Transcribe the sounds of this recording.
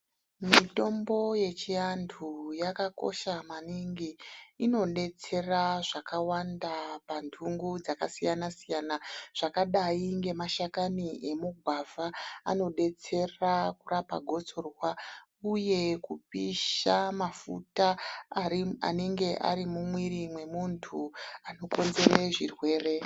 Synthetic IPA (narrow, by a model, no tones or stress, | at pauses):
mito̞mbo̞je̞t͡ʃiandʰujakako̞̰ʃamaniŋɡiino̞ɗe̞t͡se̞raʐakawandapantʰuŋɡud͡zakasijanasijaːnaʐ̥akaɗaiŋɡe̞maʃakanie̞muɡʱwavaa̰no̞ɗe̞t͡se̞rakurapa̰ɡʱo̞t͡so̞rwa | uje̞kupiʃamafṵta | a̰neŋɡe̞ʔa̰ɾimumwiɾimwe̞muntʰuano̞ko̞nze̞ɾeʐirwe̞ːre̞